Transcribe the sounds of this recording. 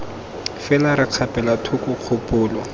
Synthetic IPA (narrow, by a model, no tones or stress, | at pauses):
fɛlaɾɪq͡χʰapʼɛlatʰʊkʊq͡χʰʊpʼʊːlɔ